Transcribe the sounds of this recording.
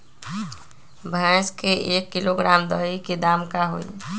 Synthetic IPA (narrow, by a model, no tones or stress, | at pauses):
bʱãskeʔeːkːiloɡɾaːmd̪əikid̪aːmkaɦo̰ḭ